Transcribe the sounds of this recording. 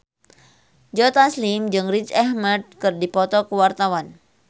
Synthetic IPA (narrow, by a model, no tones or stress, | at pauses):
d͡ʒɔt̪aslimd͡ʒɨŋrit͡ʃɛhməd̚kɨrdipɔt̪ɔkəwart̪awan